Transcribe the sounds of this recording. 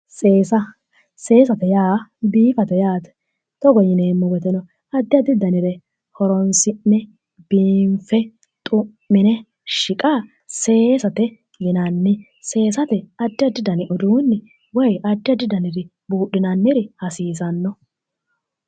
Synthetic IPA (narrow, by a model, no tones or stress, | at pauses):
seːsɐ | se̞ːsɐt̪ɛjaːbiːfɐt̪ɛjaːt̪ɛ̥ | t̪ɔɡɔjɪneːmːɔɡɛt̪ɛnɔ | ɐd̪ːɪjɐd̪ɪd̪ɐnɪɾɛ | hɔɾɔnsɪnɛ | biːmfɛ | t̪ʼʊmːɪnɛ | ʃɪkʼaː | seːsɐt̪ɛ | jɪnɐnːɪ | se̞ːsɐt̪ɛɐd̪ːɪɐd̪ɪd̪ɐnɪʔɔd̪uːnːɪ | wɔjɐd̪ːɪɐd̪ɪd̪ɐnɪɾɪ | buːɗɪnɐnːɪɾɪhɐsiːsɐnːɔ